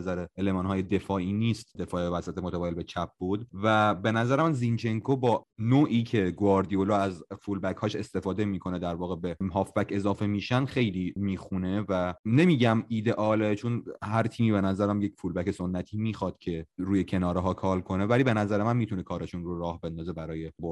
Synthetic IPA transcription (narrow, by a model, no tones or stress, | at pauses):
zæɾeelemɒːnhɒːjed̪e̞fɒːʔiːniːst̪d̪e̞fɒːevæsæt̪ʰemot̪ʰæbɒːjelbet͡ʃʰæp̚ʰbuːd̪væbenæzæɾemænzint͡ʃʰeŋkʰobɒːnoːʔiːcʰe̞ɡoɒɾd̪iolɒːæzfulbæcʰhɒːʃe̞st̪e̞fɒːd̪e̞miːkʰo̞ned̪æɾvɒːɣebemɦɒːfbæcʰe̞zɒːfe̞miːʃænd̪xe̞jlimiːxune̞væne̞miːɟæmiːd̪e̞ʔɒːlet͡ʃʰonhæɾt̪ʰiːmiːbe̞næzæɾæmjecfuːlbæce̞sonːæt̪ʰiːmiːxɒːd̪̥cʰe̞ɾuːjecʰe̞nɒːɾeɦɒːkʰɒːlkʰo̞nevæliːbe̞næzæɾemænmiːt̪ʰunekʰɒːɾeʃunɾoɾɒːhbe̞nd̪ɒːze̞bæɾɒːje̞boɾ